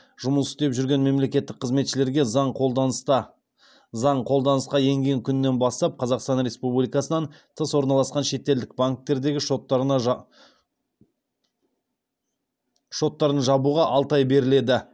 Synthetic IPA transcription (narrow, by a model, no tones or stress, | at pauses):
ʒ̥ʊməlʏst̪e̞pʒʏɾɡʲe̞nme̞mle̞kʲe̞t̪ːɪk̚qʰːəzme̞t̪ʃɪle̞ɾɡʲe̞ɴo | zɑɴqʰo̞lˠd̪ɑnəsqɑje̞ŋɡʲe̞ŋkʲʰʏnːe̞nbɑst̪ɑp̚qʰɑzɑqst̪ɑnɾʲe̞spublijkɑsənɑnt̪ʰəswo̞ɾnɑlˠɑsqɑnʃe̞t̪ːe̞ld̪ɪk̚baŋk̚t̪ːe̞ɾd̪e̞ɡʲɪʃot̪ | ʃo̞t̪ːɑɾənʒɑbuʁɑʔɑlˠt̪ɑjbe̞ɾɪle̞d̪ɪ